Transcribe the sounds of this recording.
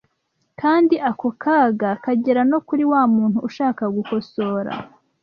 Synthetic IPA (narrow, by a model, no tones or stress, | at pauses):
kaːndiʔako̞kʰaːɡakaɟeɾano̞kuɾiwaːmuːn̥huːʃaːkaɡuko̞so̞ːɾa̰